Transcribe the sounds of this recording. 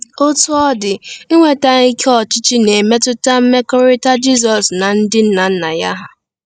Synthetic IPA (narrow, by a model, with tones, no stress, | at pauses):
ʊ˦tʊ˦ɔ˦dɪ˨ɪ˦ŋʷe˨ta˦i˦kʰɔ˦˨t͡ʃɪ˦t͡ʃi˦ne˨me˦tʊ˦ta˦m̩˦me˦kɔ˦ɾɪ˦ta˦d͡ʒi˦s̬ɔ˨sna˨n̩˦dɪ˦n̩˦na˨n̩˦na˨ja̰˦ɦa˦